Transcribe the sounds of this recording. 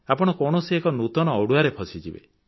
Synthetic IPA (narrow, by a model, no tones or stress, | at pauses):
apɔɽ̃ɔkɔɽ̃ɔsiekɔnut̪ɔnɔːɽuaɾepʰɔsid͡ʒibḛ